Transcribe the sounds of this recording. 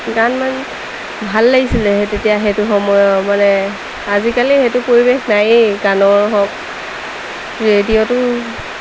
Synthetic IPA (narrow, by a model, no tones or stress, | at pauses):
ɡanman | bʱalːaɡisilɛtetijaɦetʊxɔmɔjɔmanɛ | azikalixetʊpoɹibexnajɡanɔɹɦɔk̚ | ɹediɔtʊ